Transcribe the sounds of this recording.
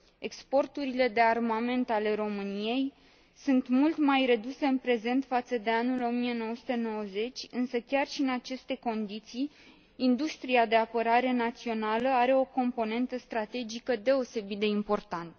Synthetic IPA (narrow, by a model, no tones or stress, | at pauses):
e̞kspo̞rt̪uɾile̞d̪e̞armame̞nt̪ale̞ɾo̞mɨnije̞j | sunt̪mult̪majre̞d̪use̞ɨnpɾe̞ze̞nt̪fat̪səd̪e̞anulo̞mije̞no̞wəsut̪e̞no̞wəze̞t͡ʃʲɨnsəkʲarʃiɨnat͡ʃe̞st̪e̞ko̞nd̪it̪sijː | nd̪ust̪ɾiad̪e̞apəɾaɾe̞nat̪sio̞naləaɾe̞o̞ko̞mpo̞ne̞nt̪əst̪ɾat̪e̞d͡ʒikəd̪e̞o̞se̞bit̪d̪e̞impo̞rt̪ant̪